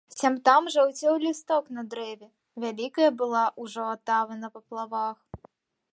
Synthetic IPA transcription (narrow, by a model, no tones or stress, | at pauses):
sʲamt̪amʐawt͡sʲɛwlʲist̪ɔknɐd̪ɾɛvʲɛ | vʲalʲikɐjɐbɨlˠaʔuʐɔːt̪avɐnɐpɐplˠavax